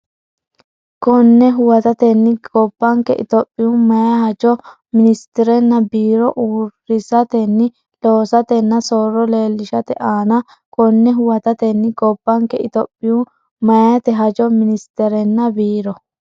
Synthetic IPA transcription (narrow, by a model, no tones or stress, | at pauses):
kɔnːɛɦʊwɐt̪ɐt̪ɛnːɪɡ̥ɔbːɐŋkɛ̰ʔɪ̰t̪ɔpʼːɪjumɐjɐhɐd͡ʒɔ | mɪnɪst̪ɛɾɛnːɐbiːɾɔʔuːɾɪsɐt̪ɛnːɪ | loːsɐt̪ɛnːɐsoːɾɔleːlːɪʃɐt̪ɛʔaːnɐ | kɔnːɛɦʊwɐt̪ɐt̪ɛnːɪɡɔbːɐŋkɛɪt̪ɔpʼːɪju | mɐjat̪ɛɦɐd͡ʒɔmɪnɪst̪ɛɾɛnːɐbiːɾɔ